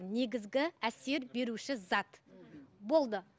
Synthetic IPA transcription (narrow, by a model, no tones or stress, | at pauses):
ne̞ɡʲɪzɡʲɪæse̞ɾbe̞ɾuʃɪzɑt̪ | bo̞lˠd̪ə